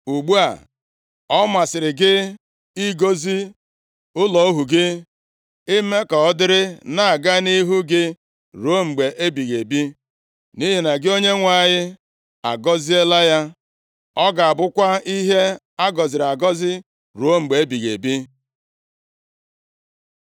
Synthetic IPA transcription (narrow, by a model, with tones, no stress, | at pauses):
u˨ɡ͡bu˦a̰˨ | ɔ˦ma˨sɪ˨ɾɪ˨ɡɪ˦ | i˦ɡo˦zi˦ | ʊ˦lɔ˨o˦ɦu˨ɡɪ˦ | ɪ˦me˦kɔ˨ɔ˦dɪ˦ɾɪ˦na˨a˨ɡa˦ni˦ɦu˦ɡɪ˦ | ɾu˨o˦ŋ͡m̩˨ɡ͡be˨ʔe˦bi˨ɣe˨bi˦ | ni˦ɦi˨na˨ɡɪ˦o˦ɲe˦ŋʷa˦˨ɲɪ˦ | a̰˨ɡɔ˦zi˦e˦la˦ja˦ | ɔ˦ɡa˨a˨bʊ˦kʷa˦i˦ɦe˦ | a˦ɡɔ˨zɪ˨ɾa˨ɡɔ˦zɪ˦ | ɾu˨o˦ŋ͡m̩˨ɡ͡be˨e˦bi˨ɣḛ˨bi˦